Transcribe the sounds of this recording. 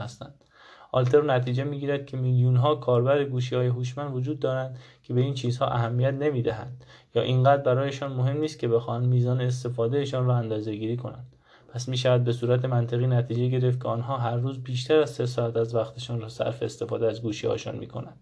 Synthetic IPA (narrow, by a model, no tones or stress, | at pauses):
æst̪ænd̪̥ | ɒlt̪ʰe̞ɾnæt̪ʰiːd͡ʒe̞miːɡiːɾæd̪̥̚cʰemiljunɦɒːkʰɒːɾbæɾeɡuːʃ̬iːhɒːje̞ɦuːʃmænd̪vod͡ʒuːd̪ːɒːɾænd̪kʲʰebe̞iːnt͡ʃʰiːzhɒ̰ːʔæɦæmːijæt̪ne̞miːd̪æɦæ̰nd̪̥jɒːʔiŋɡæd̪ɾbæɾɒːjeʃɒːnmoɦe̞mniːst̪̚kʰʲe̞be̞xɒːhænd̪miːzɒːneːs̬t̪e̞fɒːd̪e̞jeʃɒːnrɒːænd̪ɒːze̞ɡiːɾiːkʰo̞nænd̪̥ | pʰæsmiːʃ̬ævæd̪̚be̞suːɾæt̪ʰe̞mænt̪ʰeɣiːnæt̪ʰiːd͡ʒe̞ɟeɾe̞ft̪̚cʰeɒːnɦɒːɦæɾːuːzbiːʃt̪ʰæɾæzse̞s̬ɒːæt̪æzvæxt̪ʰe̞ʃɒːnrɒːsæ̰ɾfe̞ːst̪e̞fɒːd̪eæzɡuːʃḭhɒ̰jeʃɒ̰ːnmḭkʰo̞̰nænd̪̥